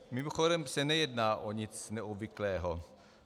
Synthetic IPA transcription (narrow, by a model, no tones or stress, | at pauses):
mɪmoxoɾɛmsɛnɛjɛdnaːʔoɲɪt͡snɛʔobvɪklɛːɦo